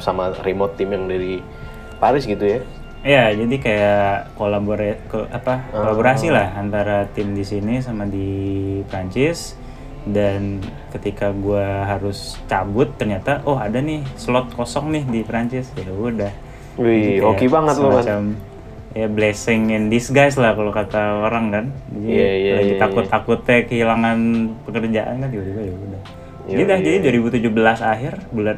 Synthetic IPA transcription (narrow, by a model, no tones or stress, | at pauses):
samaɾimɔt̪ːɪmjaŋdaɾi | paɾɪsɡit̪uja | ijad͡ʒadikajakolaboɾkapakolaboɾasilahant̪aɾat̪ɪmdisinis̬amadipɾaɲt͡ʃɪs | dankət̪ikaɡuaɦaɾʊst͡ʃabʊt̪ːərɲat̪aʔɔɦadanɪhslɔt̪̚kosɔŋnɪhdipɾaɲt͡ʃɪsjaudah | uiokibaŋət̪̚lomat͡ʃam | jablesɪŋɪndisɡajs̬lahkalokat̪aoɾaŋkand͡ʒad͡ʒilad͡ʒit̪akʊtt̪ːakʊt̪ːɛkəɦilaŋanpəkərd͡ʒaʔa̰nkanuɡad͡ʒuɡajaudah | adidahd͡ʒadiduaɾibut̪ud͡ʒuhbəlasaɦɪrbulan